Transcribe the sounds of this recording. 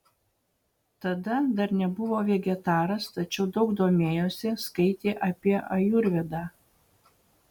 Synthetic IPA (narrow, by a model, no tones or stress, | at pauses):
t̪ɐd̪ɐd̪ɐɾnʲɛbʊʋoːʋʲɛɡʲɛt̪ɑːɾɐst̪ɐt͡ʃʲɛʊd̪ɒʊɡd̪oːmʲeːjoːsʲɪskɐɪt̪ʲeːʔɐpʲiɛʔɐjʊɾʲʋʲɛd̪ɑː